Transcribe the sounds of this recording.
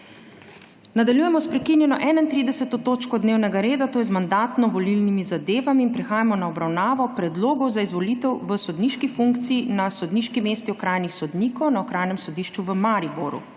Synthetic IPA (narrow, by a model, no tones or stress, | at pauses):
nad̪aljuːjɛmɔspɾɛkinjɛnɔʔɛːnaint̪ɾiːd̪ɛsɛt̪ɔt̪oːt͡ʃkɔd̪newnɛɡaɾeːd̪at̪oːjɛzmand̪aːt̪nɔʋɔlilnimizad̪eːʋamiːnpɾɛxaːjamɔnaɔbɾawnaːʋɔpɾɛd̪loːɡɔwzaizʋɔlit̪ɛwʋəsɔd̪niːʃkifuŋkt̪siːnasɔd̪niʃkimeːst̪iɔkɾaːjnixsɔd̪niːkɔwnaɔkɾaːjnɛmsɔd̪iʃt͡ʃuʋəmaɾiboɾṵ